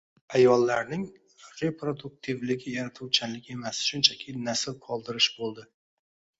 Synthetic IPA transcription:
ajɒlːaɾnɪŋ | ɾe̞pʰɾod̪ʊk̚t̪ʰivlɪɡʲɪjaɾat̪ʰuwt͡ʃʰanlɪkʲe̞masʃʊnt͡ʃʰakʲʰɪnasɪlqʰɒlˠd̪ɪɾɪʃbolˠd̪ɪ

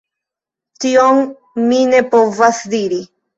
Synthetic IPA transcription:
t̪ioŋ | minepovasd̪iɾi

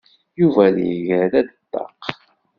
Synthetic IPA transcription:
juvæljəʝɾælæd̪ət̪ːɑ̰q

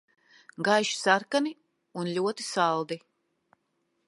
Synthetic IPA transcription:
ɡajʃi̥saɾkani | unlʲuɔt̪i̥salˠd̪i

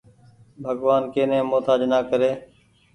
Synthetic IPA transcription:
bʱəɡʋaːnkeːnẽːmoːt̪ʰaːd͡ʒnaːkəɾeː

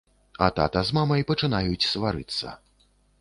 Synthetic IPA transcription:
ɐ̰t̪a̰t̪ɐzmamɐjpɐt͡ʂɨn̪ajut͡sʲsvaɾɨt̪sːɐ̰

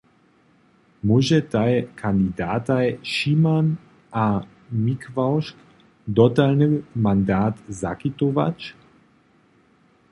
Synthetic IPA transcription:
muʒɛt̪ajkʰand̪id̪aːt̪ajʃiman | a | mikvawʃk | d̪ɔt̪alnɨwmand̪aːt̪zakit̪ova̰t͡ʃ

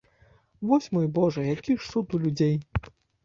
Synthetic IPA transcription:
vɔsʲmɔjbɔʐɐjakʲiʂsut̪ulʲud͡zʲej

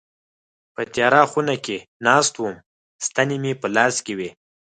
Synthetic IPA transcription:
pət̪jɑɾɑxunakenɑst̪wum | st̪anemepəlɑskewe

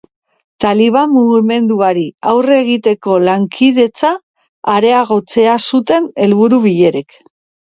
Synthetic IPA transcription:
t̪aliβ̞amːuɣime̞nd̪uaɾiawre̞ɣit̪e̞ko̞laŋkʰið̞e̞t͡saː | ɾe̞aɣ̞o̞t͡se̞asut̪e̞ne̞lβuɾuβiʎe̞ɾek

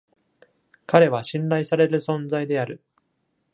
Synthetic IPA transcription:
kaɾe̞βaɕĩnɾaisaɾe̞ɾɯ̟sõ̞nd͡zaid̪e̞aɾɯ̟

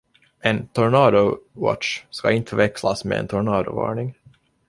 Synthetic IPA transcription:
ʔɛnt̪ʰɔɾɳɑːd̪ʊwɔ̰ʈʂskaɪnt̪ʰəvɛkslasmḛːɛ̰nt̪ʰɔɾɳɑːd̪ʊvɑ̰ːɳɪŋ

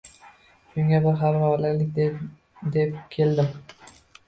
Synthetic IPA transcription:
ʃʊŋʲabɪɾχamɾɒlɪlɪk̚ʲd̪ | d̪ep̚kʲʰe̞ld̪ɪm

